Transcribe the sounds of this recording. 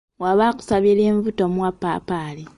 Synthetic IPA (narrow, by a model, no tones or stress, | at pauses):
waβaku̥saβileːɱvutomwapapali